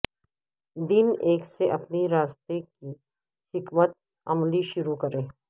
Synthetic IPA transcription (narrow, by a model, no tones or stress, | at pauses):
d̪ɪneːkseʔɐpniɾaːst̪eki | hɪkmət̪̚ | ɐmliʃʊɾukɐɾẽː